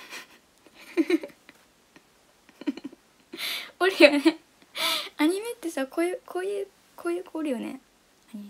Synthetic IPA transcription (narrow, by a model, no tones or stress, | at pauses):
oɾɯ̟jone | aɲ̟ime̞t̪ːe̞sakoːjɯkʰoːjɯ̟ː | kʰoːjɯːkʰoːɾɯ̟jo̞nḛ | aɲi